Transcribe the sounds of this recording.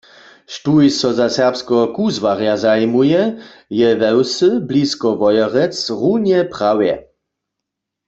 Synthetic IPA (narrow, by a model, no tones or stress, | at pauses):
ʃtujsɔzasɛʁpskɔɦɔkuzwaʁjazajmujɛ | jɛvɛwsɨbliskɔvɔjɔʁɛt͡sʁunjɛpʁ̥awjɛ̰